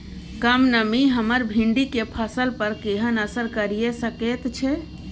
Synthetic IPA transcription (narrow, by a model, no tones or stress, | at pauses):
kəmnəmiɦəməɾbʱiɳɖikepʰəsəlpəɾkeɦənəsəɾkəɾijesəket̪t͡ʃʰɛ